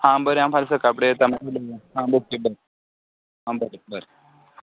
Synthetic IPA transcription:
ɦãbəɾeamfalsəkapɽet̪amoləjaɦãbokebəɾ | ɦãbəɾebəɾe

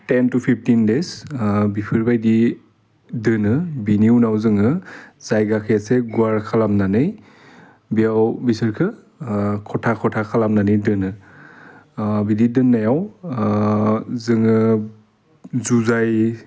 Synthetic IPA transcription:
tentupʰip̚ʰtindesbipʰɯɾbajdi | dɯnɯbiniwnawzɯŋɯz̥ajɡakʰɯjaseɡuaɾkʰalamnanɯj | bijawbisɯɾkʰɯ | kʰɔtʰakʰɔtʰakʰalamnanɯjdɯnɯ | bididɯnːajaw | zɯŋɯ | zuzaj

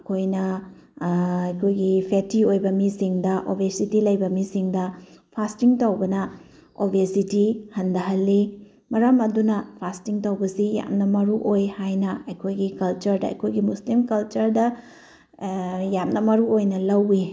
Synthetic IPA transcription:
kʰojnɐ | ɐjkʰojɡipʰetiojbɐmisiŋdɐʔobʱesitilɐjbɐmisiŋdɐpʰastiŋtɐwbɐnɐ | obʱesitihɐndɐɦɐlːi | mɐɾɐmɐdunɐpʰastiŋtɐwbɐsija̰mnɐmɐɾuʔojhajnɐɐjkʰojɡikɐlt͡ʃɐɾdɐɐ̰jkʰojɡimuslimkɐlt͡ʃɐɾdɐ | jamnɐmɐɾuojnɐlɐwi

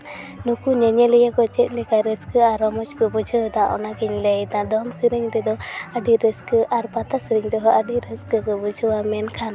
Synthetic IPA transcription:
nukuɲɛɲɛlɛjakɔt͡ʃɛt̪̚ˀlɛkaɾəskəaɾɔmɔt͡ʃkɔbud͡ʒʱəwd̪ãʔɔ̰nakiɲlɛjd̪ãd̪ɔŋsiɾiŋɾɛd̪ɔəɖiɾəskəʔaɾbat̪asəɾiŋɾɔɦɔʔəɖiɾəskəkɔbud͡ʒʱəwamɛnkʰan

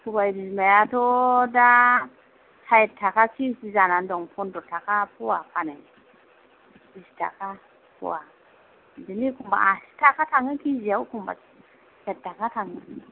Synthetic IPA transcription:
kubaidizmajatoda | hajetʰːakakisizanandoŋpundotakapuwapane | bista̰ka | pṵwa̰ | ndinikumba̰ʔasi̥takataŋikizijawukumba̰ | etːakataŋi

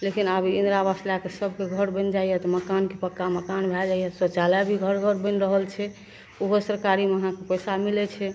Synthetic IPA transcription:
lekinabʱiind̪ɾabaslakesəbʱkeɡʱəɾbə̃nd͡ʒaijɛt̪ɔməkankepəkːaməkanbʱɛd͡ʒajɛt̪ɔsət͡ʃalabʱiɡʱəɾɡʱəɾbə̃nɾəɦəlt͡ʃʰɛ | oɦosəɾkaɾimeəɦãkepəjsamilɛt͡ʃʰɛ

